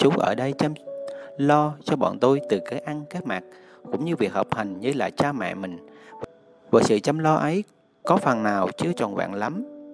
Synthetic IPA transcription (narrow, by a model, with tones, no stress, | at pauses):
t͡ɕʊ˨˦ʔə̰ː˧˩ɗə˧jt͡ɕə˧mlɔ˧t͡ɕɔ˧ɓɔ̰˧˨nt̪o˧jt̪ɨ˨˩kə˨˦ʔa˧ŋkaː˨˦˥t̚maː˨˩t̚ | kʊ̰˧˥ŋ͡mɲɨ˧vi˨˩ək̚hə˨˩k͡p̚ha˨˩jŋ̟ɲɨ˧laː˨˩t͡ɕaː˧mɛ̰˧˨mï˨˩ŋ̟v | vəː˨˩sɨ̰˧˨t͡ɕə˧mlɔ˧ʔə˨˦j | kɔ˨˦fə˨˩nːaː˨˩wt͡ɕɨ˨˧˦ət͡ɕɔ˨˩nva̰ː˧˨nla˨˦m